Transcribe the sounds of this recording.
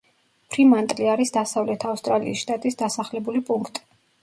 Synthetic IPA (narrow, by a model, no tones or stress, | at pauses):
pʰɾimant̪ʼliaɾisd̪asavlɛt̪ʰafst̪ʼɾalḭisʃt̪ʼat̪ʼisd̪asaχlɛbulipʼuŋkʰt̪ʼi̥